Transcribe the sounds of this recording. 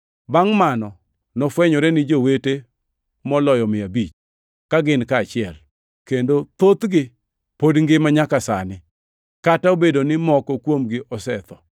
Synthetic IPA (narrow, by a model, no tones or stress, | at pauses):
baŋmanɔ | nɔfwɛɲɔɾɛnɪd͡ʒowete | mɔlɔjɔmɪabit͡ʃ | kaɡɪnkaːt͡ʃɪɛl | kendot̪ot̪ɡɪ | podŋɡɪmaɲakasa̰nɪ | kataobedonɪmɔkɔkwomɡɪʔɔsɛt̪ɔ